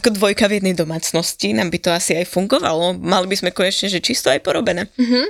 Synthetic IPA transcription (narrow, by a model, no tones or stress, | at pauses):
akɔd̪ʋɔjkavjɛd̪nɛjd̪ɔmaːt͡snɔscinaːmbit̪ɔasiajfuŋɡɔʋa̰lɔmalibizmɛkɔɲɛt͡ʃɲɛʒɛt͡ʃist̪ɔajpɔɾɔbɛnɛːɦ̩